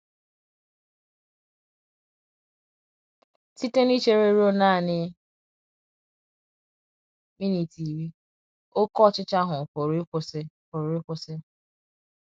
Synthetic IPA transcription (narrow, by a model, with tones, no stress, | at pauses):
ti˦te˦ni˦t͡ʃe˦ɾe˦ɾo˦na˦a˨nɪ˦ | mi˦ni˨ti˨ɾi˦ | o˦kɔ˦˨t͡ʃɪ˦t͡ʃa˦ɦʊ˨ko˨ɾkʷo˦se˦ | ko˨ɾe˦kʷo˦se˦